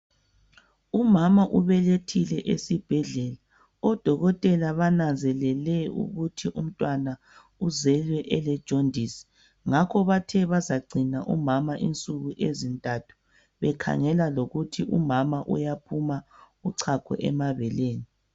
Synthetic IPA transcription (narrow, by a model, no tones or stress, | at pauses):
umamaʔuβɛletʰilɛʔesib̥ʱɛɮɛla | ɔd̥ʱɔɣɔtʼɛlaβanand͡zʱɛlɛlɛṵɣutʰiʔum̩tʼwana | uzɛlwɛʔɛlɛd̥ʒ̥ʱondʱisi̥ | ŋakʰɔβatʰɛβazaɡ͡ǀʱinaʔumamaʔint͡sʼuɣuʔezintʼatʰu̥ | βɛkʰa̰ŋɛlaloɣutʰiʔṵmamaʔṵjapʰuma | uǀʰakʰɔ̰ʔɛ̰maβɛleːni